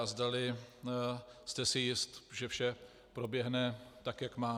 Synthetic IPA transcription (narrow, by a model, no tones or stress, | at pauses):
zdalɪ | st̪ɛsɪjɪst̪ʒɛfʃɛ | pɾo̞bjɛɦnɛt̪akjakmaː